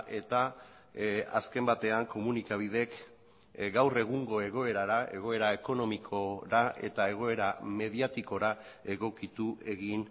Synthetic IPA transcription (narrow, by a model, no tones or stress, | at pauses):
ʔe̞t̪a | a̰ske̞mbat̪e̞aŋko̞munikaβ̞ið̞e̞k | ɡawre̞ɣ̞uŋɡo̞e̞ɣ̞o̞e̞ɾaɾae̞ɣ̞o̞e̞ɾae̞ko̞no̞mikʰo̞ɾae̞̰t̪ae̞ɣ̞o̞e̞ɾame̞ð̞iat̪iko̞ɾa | e̞ɣo̞kit̪uʔe̞ɣin